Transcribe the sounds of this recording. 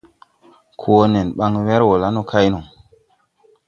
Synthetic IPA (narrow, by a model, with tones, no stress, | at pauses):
kʰu˨o˦ne˨nɓa˦ŋwe˦ɾwo˨la˦no˦kʰa˦jnu˨ŋ